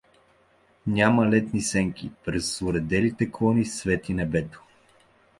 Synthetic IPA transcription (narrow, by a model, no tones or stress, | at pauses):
nʲamɐlɛt̪nisɛŋkʲipɾɛsːʊɾɛd̪ɛlit̪ɛkˠɔnisvɛt̪inɛbɛt̪o̥